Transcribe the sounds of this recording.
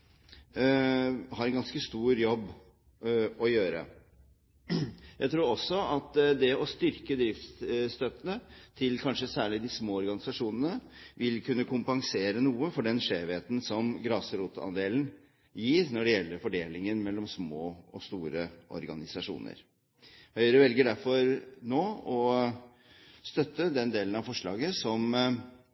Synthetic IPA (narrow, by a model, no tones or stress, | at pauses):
hɑɾɛnɡɑnskəst̪uːɾjɔbː | ɔjøːɾə̰ | jæɪt̪ʰɾuːɾɔsːɔɑt̪d̪ɛɔst̪ʏɾkəd̪ɾɪft̪st̪œt̪ːənət̪ʰɪlkʰɑnʂəsæːɭɪd̪ɪsmoːɔɾɡɑnɪsɑʂuːnənəʋɪlkʰʉnːəkʰʊmpɑŋseːɾənuːəfɔɖɛnʂeːʋeːt̪n̩sɔmɡɾɑːsəɾuːt̪ɑ̰nd̪eːln | jiːɾnɔɖɛjɛlːəɾfɔɖeːlɪŋənmɛlːɔmsmoːɔst̪uːɾəʔɔ̰ɾɡɑnɪsɑʂṵːnə̰ɾ | hœʏɾəʋɛlɡəɖæɾfɔɾnoːɔ | st̪œt̪ːəd̪ɛnd̪eːlənɑʋfɔʂɭɑ̰ːɡəsɔm